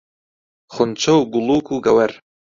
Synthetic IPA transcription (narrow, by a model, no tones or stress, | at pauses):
χʊnt͡ʃʰɐwɡuluːkʰuːɡɐwɐɾ